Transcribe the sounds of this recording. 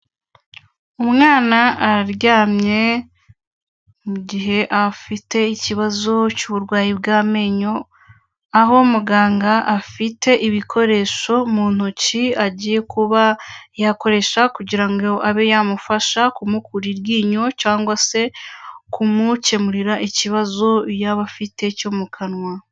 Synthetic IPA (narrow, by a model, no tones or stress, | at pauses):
umŋaːnaːɾjaːmɲe̞ | muɟiɦe̞ʔafite̞iciβazo̞cuβuɾɡwaːjibɡaːme̞ɲo̞ | aɦo̞muɡaːŋɡaʔːfitʰe̞ʔiβikʰo̞ɾe̞ːʃo̞muːn̥uciaɟije̞kuβajako̞ɾe̞ʃakuɟiɾaŋɡoʔaβe̞jamufaʃakumukʰuɾiɾɡiːɲo̞caːŋɡwase̞kumuce̞muɾiɾaʔiciβazo̞jaβafitʰe̞coːmukʰanwa